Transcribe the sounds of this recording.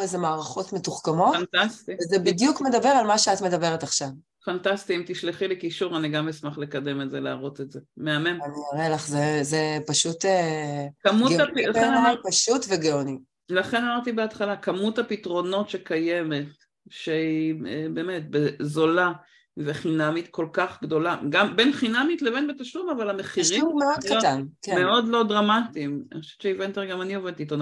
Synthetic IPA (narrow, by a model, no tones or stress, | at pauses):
ezemaːʁaχo̞tmetuχkamo̞tnt̪astivezebidjukme̞dabe̞ʁalmaʃeat̪me̞dabe̞ʁetaχʃav | fantast̪iimt̪iʃliχilekiʃuʁaniɡamismaχlekad̪e̞metzelaːʁo̞tetzemeamemaniaʁelaχzezepaʃutekamutɡleapaʃutveɡeoni | laχenamaʁt̪ibeat̪χalakamuthapitʁo̞no̞tʃekajemet | ʃeiebeːmet̚bezola | veχinamit̪ko̞lkaχɡdo̞laɡambenχinamitlevenbetaʃlumavalameχiʁimumeod̥̪katankemeo̞dlo̞dʁamatimaniχoʃɛvett͡ʃʃeivent̪eʁɡamanioved̪tit̪ona